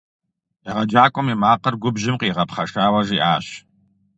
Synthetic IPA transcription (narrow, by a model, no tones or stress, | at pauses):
iʁɐd͡ʒaːkʷʼɔmiːmaːqɐrɡʷʊbʑɪmqiːʁɐpχɐʂaːwɐʒiːʔaːɕ